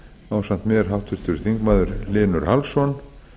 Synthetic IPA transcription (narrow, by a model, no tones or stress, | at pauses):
aːwsan̥t̪mjɛːɾ̥ɦawht̪vʏɾ̥t̪ʏɾʏθiŋkmaːðʏɾlɪːnʏɾ̥halsɔn